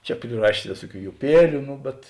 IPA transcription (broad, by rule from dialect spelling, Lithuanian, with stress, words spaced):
ˈt͡ʃʲɛ pʲrʲɪˈrɑːʃʲeːs ˈʋʲeːsuɔˌkʲuː jʊˈpʲiɛlʲʊ ˈnʊ bʲɛt